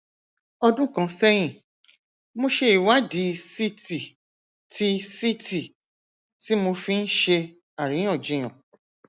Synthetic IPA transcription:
ɔ˧dũ˦kã˧˦sɛ˦j̃ĩ˦˨ | mõ˧ʃe˧i˨wa˦di˨˦si˦ti˨ | tʰi˦si˦tʰi˨ | ti˦mo˧fi˦n̩˦ʃe˧ | a˨ɾ̃ĩ˨˦ɔ̃˦˨d͡ʒĩ˨˦ã̰˨

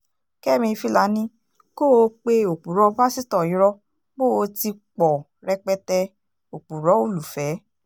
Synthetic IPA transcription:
kɛ˦˨mĩ˧fi˧la˨˦nĩ˦ | ko˦˨o˧k͡pe˧o˨k͡pu˨ɾɔ˧˦ba˦si˦tɔ˦˨ĩ˨˦ɾɔ˧ | k͡po˦˨o˧ti˧k͡pɔ˨ | ɾɛ˧k͡pɛ˧tɛ˧ | o˨k͡pu˨ɾɔ˨˦o˦˨lu˨fɛ˨˦

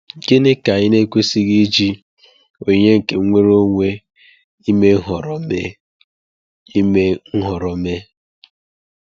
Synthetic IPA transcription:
ke˦ne˦ka˨ɲɪ˦ne˦kʷe˦si˦ɣi˦d͡ʒi˦ | o˨ɲe˦ŋ̩˨ke˨ŋ˦ŋʷe˦ɾo˦ŋʷe˦ | i˦me˦ɦɔ˨ɾɔ˨me˦ | i˦me˦ŋ̩˦ɦɔ˨ɾɔ˨me˦

